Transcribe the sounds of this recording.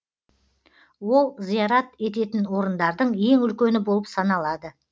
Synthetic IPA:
wo̞lˠzijɑɾɑt̪e̞t̪̬e̞t̪ɪnwo̞ɾənd̪ɑɾd̪əɴje̞ŋʏlkʲe̞nɪbo̞lˠəpsɑnɑlˠɑd̪ə

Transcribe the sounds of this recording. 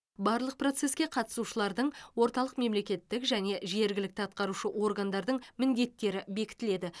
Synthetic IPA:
bɑɾlˠəq̚pro̞t̪se̞skʲeqʰɑt̪ə̥suʃəlˠɑɾd̪əɴwo̞ɾt̪ɑlˠəqme̞mle̞kʲe̞t̪ːɪkʒæne̞ʒe̞ɾɡʲɪlɪk̚t̪ɑt̪̚qɑɾuʃəwʔo̞rɡand̪ɑɾd̪əɴmɪnd̪e̞t̪ːe̞ɾɪbe̞kʲɪ̥t̪ɪle̞d̪ɪ

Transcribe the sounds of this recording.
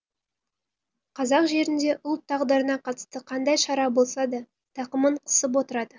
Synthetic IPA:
qʰɑzɑqʒe̞ɾɪnd̪e̞ʔʊlˠt̪ʰːɑʁd̪əɾənɑqʰɑt̪ə̥st̪əqʰɑnd̪ɑjʃɑɾɑbo̞lˠsɑd̪ɑ | t̪ʰɑqəməɴqʰə̥səp̬wo̞t̪əɾɑd̪ə

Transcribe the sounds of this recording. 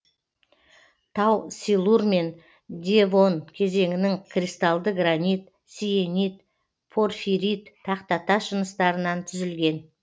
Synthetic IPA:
t̪ʰɑwsilˠurme̞n | d̪ʲevo̞nkʲʰe̞ze̞ŋɪnɪŋkʰrʲist̪ɑlˠd̪əɡranit̪ | sijenit̪ | pʰo̞rfiɾʲit̪ʰːɑqt̪ɑt̪ɑʃənəst̪ɑɾənɑnt̪ʰʏzɪlɡʲe̞n

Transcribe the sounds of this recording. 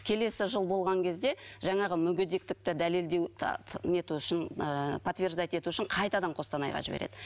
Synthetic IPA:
kʲʰe̞le̞sɪʒəlˠbo̞lˠʁɑŋkʲʰe̞zd̪e̞ʒɑɴɑʁəmʏɡʲed̪e̞k̚t̪ɪk̚t̪ɪd̪æle̞ld̪e̞w̰̪ʰne̞t̪uʏʃɪnpʰɐt̪vʲe̞rʒd̪ɑjt̪e̞t̪uɪʏʃɪŋɴqʰɑjt̪ɑd̪ɑɴqʰo̞st̪ɑnɑ̰jʁɑ̰ʒɪbeɾe̞d̪̥ɪ

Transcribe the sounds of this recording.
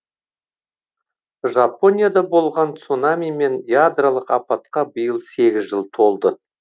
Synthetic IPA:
ʒapo̞nʲijad̪ɑbo̞lˠʁɑnt̪sunamijme̞njad̪ralˠəqɑpɑt̪qɑbəjəlˠse̞ɡʲɪzʒəlˠt̪ʰo̞lˠd̪ə

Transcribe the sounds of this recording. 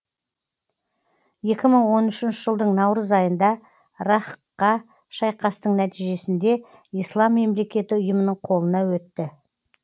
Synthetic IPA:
je̞kʲɪməɴwo̞nʏʃɪnʃɪʒəlˠd̪əɴnɑwɾəzɑjənd̪ɑ | ɾɑχəqːɑ | ʃɑjqɑst̪əɴnæt̪ijʒe̞sɪnd̪e̞ | ijslˠɑmːe̞mle̞kʲe̞t̪ɪʊjəmənəɴqʰo̞lˠənɑwɵt̪ːɪ

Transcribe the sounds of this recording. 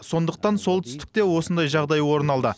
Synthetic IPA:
so̞nd̪əq̚t̪ɑnsolˠt̪ʰʏ̥st̪ɪ̥k̚t̪e̞wo̞sənd̪ɑjʒɑʁd̪ɑjwo̞ɾənɑlˠd̪ə

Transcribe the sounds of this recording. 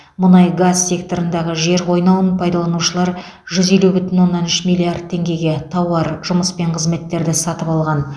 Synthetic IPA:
mʊnɑjɡazsʲe̞k̚t̪o̞ɾənd̪ɑʁəʒe̞ɾwo̞jnɑwənpʰɑjd̪ɑlˠɑnuʃəlˠɑɾ | ʒʏze̞lubʏt̪ɪnwo̞nːɑnʏʃmijlʲːˠiard̪̚t̪ʰːe̞ŋɡʲe̞ɡʲe̞t̪ʰɑwɑɾʒ̥ʊməspe̞ɴqʰəzme̞t̪ːe̞ɾd̪ɪsɑt̪əpɑlˠʁɑn

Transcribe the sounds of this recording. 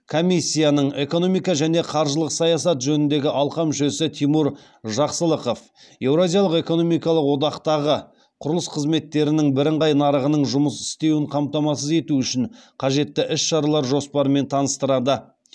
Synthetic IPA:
kʰomisʲːijanəɴe̞ko̞no̞mijkɑʒæne̞qʰɑɾʒəlˠəqsɑjɑs̬ɑt̪ʒɵnɪnd̪e̞ɡʲɪʔɑlˠqɑmʏʃe̞sɪt̪ʰijmuɾ | ʒɑqsəlˠəqo̞f | je̞wɾazijɑlˠəqe̞ko̞no̞mijkɑlˠəqwo̞d̪ɑqt̪ɑʁə | qʰʊɾəlˠəsqʰəzme̞t̪ːe̞ɾɪnɪŋbɪɾɪɴʁɑjnɑɾəʁənəɴʒʊməsɪ̥st̪e̞wɪɴqʰɑmt̪ɑmɑs̬əze̞t̪uʏʃɪɴqʰɑʒe̞t̪ːɪʔɪsʃɑɾɑlˠɑɾʒo̞spɑɾəme̞nt̪ʰɑnəst̪əɾɑd̪ə

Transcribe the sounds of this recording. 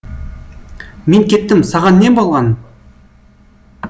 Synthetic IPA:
meŋkʲʰe̞t̪ːɪmsɑʁɑnːe̞mbolˠʁɑn

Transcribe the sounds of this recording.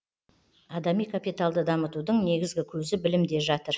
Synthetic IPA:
ɑd̪ɑmijkʰapijt̪alˠd̪əd̪ɑmət̪ud̪əɴne̞ɡʲɪzɡʲɪkʲʰɵzɪbɪlɪmd̪e̞ʒɑt̪əɾ

